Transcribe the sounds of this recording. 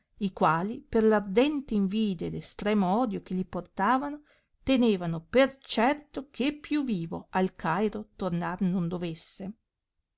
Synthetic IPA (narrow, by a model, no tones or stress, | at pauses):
ikwaːliperlard̪ɛnt̪eiɱviːd̪ed̪est̪ɾɛːmoɔːd̪jok̟eʎiport̪aːvano | t̪eneːvanopert͡ʃɛrt̪okʰepːjuviːvoalkʰajɾot̪ornarnond̪ovesːe